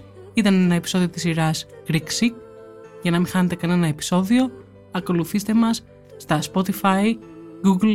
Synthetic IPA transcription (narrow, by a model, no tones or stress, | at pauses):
it̪ɐne̞nɐe̞pi̥so̞ðio̞t̪isiɾɐsɡɾiksik̚ | ʝɐnɐmixɐne̞t̪e̞kɐne̞nɐe̞pi̥so̞ðio̞ | ɐko̞luθist̪e̞mɐsː | t̪ɐspo̞t̪ifɐjɡuɡl